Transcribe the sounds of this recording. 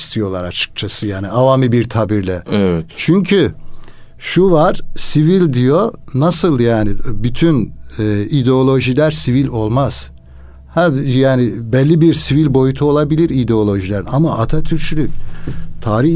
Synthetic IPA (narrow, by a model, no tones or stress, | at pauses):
st̪ʰijo̞lˠaɾat͡ʃʰɯ̥k̚t͡ʃʰasɯjaːniavamibiɾt̪ʰabiɾlʲɛɛvɛt͡ʃʰyɲcʰy | ʃuvaɾ̥sivilʲd̪ijo̞nasɯlˠjaːnibyt̪ʰynɛːid̪ɛo̞lʲˠo̞ʒilʲæɾsivilʲo̞lˠmaz̥ | hajaːnibɛlʲːibiɾsivilʲbo̞jut̪ʰuo̞lˠabilʲiɾid̪ɛo̞lʲˠo̞ʒilʲɛɾinamaʔat̪ʰat̪ʰyɾt͡ʃʰylʲyct̪ʰaːɾih